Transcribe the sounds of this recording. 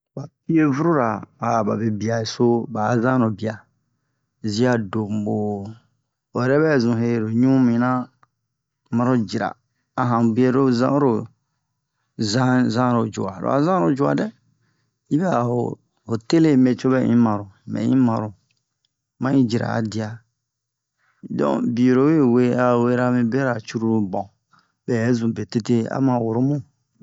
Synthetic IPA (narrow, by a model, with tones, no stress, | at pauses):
ba˨pi˦e˦vu˦ɾu˦ɾa˨a˨ba˨be˨bi˨a˨e˨so˦ba˨˦zã˦ɾo˨bi˨a˨ | zi˦a˨do˨m˨bo˨ | o˨ɾɛ˦bɛ˦˨zũ˨ɦe˦˨ɾo˨ɲũ˦mĩ˨nã˦ | mã˨ɾo˦d͡ʒi˨ɾa̰ː˨ | ɦã˨bi˦e˨ɾo˦zã̰˦ɾo˨ | zã˦zã˦ɾo˨d͡ʒo̰˨a˨ɾo̰˨a̰˨zã˦ɾo˨d͡ʒo˨a̰˨dɛ˦ | ji˦bɛ˦a˨ho̰˨ | ho˨te˦le˦me˨t͡ʃo˦bɛ˦ḭ̃˦mã˨ɾo˨mɛ̰̃˨˦ĩ˦mã˨ɾo˨ | mã˦ĩ˦d͡ʒi˨ɾa̰˨a˨di˨a˨ | dɔ̰̃˦˨bi˨ɾo˨˦we˦we˦a˨we˦ɾa˦mĩ˦be˦ɾa˨t͡ʃu˦ɾu˦ɾbɔ̃˨ | bɛ˨˦zũ˨be˨te˦te˦a̰˦mã˨wo˨ɾo˦mũ˦